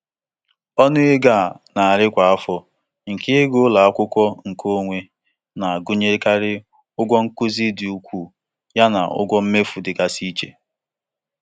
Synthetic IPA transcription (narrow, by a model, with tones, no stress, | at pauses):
ɔ˦nʊ˦ɪ˦ɡa˨na˨a˨ɾɪ˦kʷa˨a˦fɔ˨ | ŋ̩˨ke˦ɡo˦la˨a˦kʷʊ˦kʷɔ˦ŋ̩˨kʰo˦ŋʷe˦ | na˨a˨ɡʊ˦ɲe˦ka˦ɾɪ˦ | ʊ˦ɡʷɔ˦ŋ̩˦kʊ˦zi˦dɪ˨u˨kʷu˦ | ja˦na̰˨ʊ̰˦ɡʷɔ˦m̩˦me˦fu˨dɪ˨ka˨si˦t͡ʃḛ˨